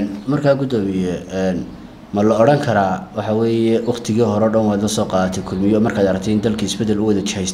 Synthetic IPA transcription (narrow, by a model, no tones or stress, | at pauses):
nmɐrkʰaːɡʊd̪ɔːmɪjɛɛːn | mɐlɔɔɽɐŋkʰɐɾaːwɑħɑwɛːjɛwɑqt̪ʰɪɣiːɦɔɾɔːɖɐnwaːd̪lɐsɔːqɑːt̪ʰɛkʰʊlmɪjɔːmɐrkʰaːd̪ɐɾɐkt̪ʰɛɪnd̪ɐlkʰiɪsbɛd̪ɛlʊwɐðɐt͡ʃɪhɛjst̪